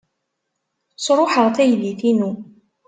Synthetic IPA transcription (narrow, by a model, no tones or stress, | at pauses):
sɾˤoħəʁˤθæjliθinu